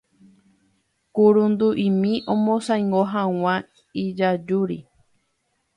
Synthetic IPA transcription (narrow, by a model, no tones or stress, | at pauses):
kuɾund̪uʔĩmĩʔõmõsajŋɡoɦãw̃ã | id͡ʒad͡ʒuɾḭ